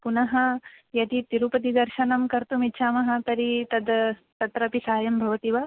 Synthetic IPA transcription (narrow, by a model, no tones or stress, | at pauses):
punɐɦɐjɐt̪it̪iɾupɐt̪id̪ɐɾʃɐnɐmkɐɾt̪umit̪ːʃʰaːmɐɦɐt̪ɐɾit̪ɐd̪ | t̪ɐt̪ɾɐpisaːjɐmbʱɐʋɐt̪iʋɐ